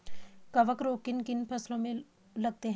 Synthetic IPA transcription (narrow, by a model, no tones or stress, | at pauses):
kəʋəkɾoːkɪnkɪnpʰəslõmẽ | lɐɡ̚t̪eɦ